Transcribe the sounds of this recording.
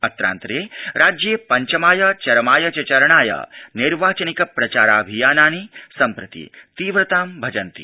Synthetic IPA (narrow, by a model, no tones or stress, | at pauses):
ɐt̪ɾa̰ːnt̪ɾeːɾaːd͡ʒjeːpɐɲt͡ʃɐmaːjɐt͡ʃɐɾɐmaːjɐt͡ʃɐt͡ʃɐɾɐɳaːjɐ̰niɾʋaːt͡ʃɐnikɐpɾɐt͡ʃaːɾaːbʱijaːnaːnisɐmpɾɨt̪ḭt̪iːʋɾɐt̪aːmbʱɐd͡ʒɐnt̪ḭ